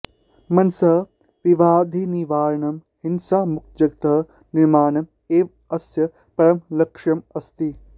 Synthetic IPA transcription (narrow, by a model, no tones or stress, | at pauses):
mɐnsɐ | ʋiʋaːd̪ʱiniʋaːɾɐɳɐm | hinsaːmuk̪̚d͡ʒɐɡt̪ɐ | niɾmaːnɐm | eːʋ | ɐsjɐ | pɐɾɐmlɐkʂɐmɐst̪i